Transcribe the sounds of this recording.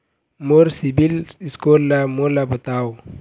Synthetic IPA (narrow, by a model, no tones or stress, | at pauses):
moɾsibiliskolamolabɐt̪aːw